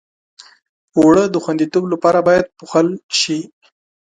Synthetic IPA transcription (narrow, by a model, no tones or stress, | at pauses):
owɽəd̪əxwand̪it̪oblapɑɾabɑjad̪̚puxəlʃi